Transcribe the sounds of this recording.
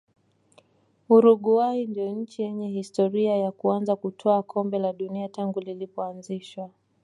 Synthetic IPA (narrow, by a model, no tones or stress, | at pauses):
uɾuɠuwaindijɔɲ̩t͡ʃijɛɲɛhistɔɾiajakuanzakutʰɔakʰɔmbɛlaɗuniataŋɡulilipɔanziʃwa